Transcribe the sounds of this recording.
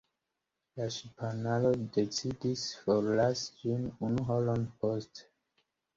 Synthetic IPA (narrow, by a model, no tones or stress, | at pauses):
laʃipanalodet͡sidisfoɾlasd͡ʒinunuɦolonpost